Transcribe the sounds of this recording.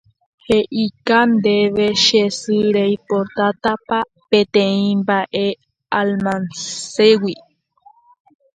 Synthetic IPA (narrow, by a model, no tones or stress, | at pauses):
heʔikand̪eβeʃesɨɾeipoɾt̪at̪apa | pẽt̪ẽĩmbaʔe | almansewi